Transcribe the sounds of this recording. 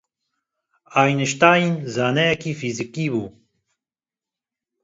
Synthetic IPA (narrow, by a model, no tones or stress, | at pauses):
aːjnəʃt̪aːinzaːnɛjakiːfizikibuː